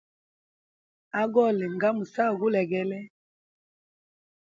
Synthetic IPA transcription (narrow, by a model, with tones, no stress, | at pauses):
a˦ɡɔ˦˨lɛ˨ŋɡa˦mu˨sa˦˨ɡu˦lɛ˨ɡɛ˦lɛ˦